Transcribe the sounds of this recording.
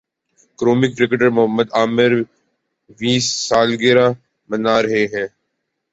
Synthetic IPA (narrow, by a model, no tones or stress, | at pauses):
kɾoːmɪkʈɾɪkʈəɾmʊɦəmːəd̪aːmɪɾ | ʋiːsːaːlɡeːɾaː | mənaːɾəɦeːɦɛ̃ː